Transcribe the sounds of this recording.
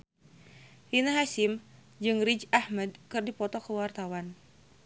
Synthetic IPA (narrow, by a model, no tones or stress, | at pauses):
ʔinaɦasɪm | d͡ʒɨŋrid͡ʒahmad̚kɨrdipɔt̪ɔkəwart̪awan